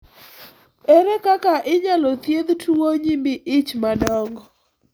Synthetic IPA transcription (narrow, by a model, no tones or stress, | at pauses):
eɾekakaʔɪɲalɔt̪jed̪tʰuwoɲimbiʔɪt͡ʃmadɔŋɡɔ